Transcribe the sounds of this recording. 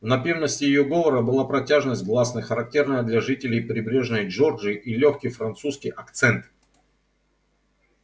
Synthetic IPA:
vnɐpʲirnəsʲtʲɪjɪjoɡovˠəɾəbɨlˠapɾɐtʲaʐɨnəsʲt̚ʲɡlˠasnəjxəɾɐk̚tʲe̞rnəjəd̪lʲɐʐɨtʲɪlʲɪjpɾʲɪbɾʲe̞ʐnəjʐord͡ʒɨʔilʲoxkʲijfɾɐnt̪suskʲɪjɐkt̪sɛnt̪

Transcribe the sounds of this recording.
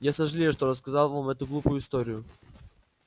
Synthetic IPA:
jasaʒlʲiɛʃt̪ɔɾas̬kazalˠvɔmɛt̪uɡlˠupuist̪ɔɾiju

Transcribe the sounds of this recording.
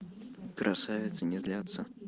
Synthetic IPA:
kɾʔasavʲɪt̪sənʲɪzlʲat̪sə

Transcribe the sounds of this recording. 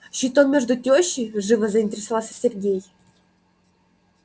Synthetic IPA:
ɕit̪omːʲeʐd̪utʲoɕːijʐɨvəzɐinʲtʲɪɾʲɪsɐvalˠsʲɐ̥sʲerɡʲej

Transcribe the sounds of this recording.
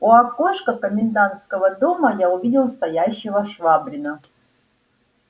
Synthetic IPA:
oakoʂkəkəmʲɪnd̪ant̪skəvəd̪omɐjaʊvʲidʲɪlˠst̪ɐjaɕːɪvəʂvabɾʲɪnə

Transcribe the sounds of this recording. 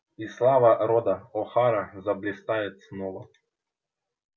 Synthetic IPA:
islˠaʋaɾɔd̪aɔxaɾazablʲɪst̪ajɛt̪snɔva

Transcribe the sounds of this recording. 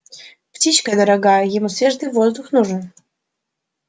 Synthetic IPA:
ptʲit͡ɕkəd̪ɐɾɐɡajəjɪmusvʲeʐd̪ɨjvozd̪uxnuʐən

